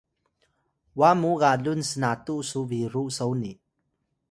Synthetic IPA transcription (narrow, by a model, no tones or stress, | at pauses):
wamuɣaɮunsənatuʔsuviɾuʔsowni